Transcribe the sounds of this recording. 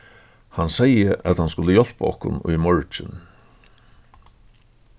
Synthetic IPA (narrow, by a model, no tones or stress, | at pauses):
hansɛjəʔat̪hanskʊləjɔl̥pa̰ɔhkʊ̰nʊ̰jmɔɹt͡ʃɪn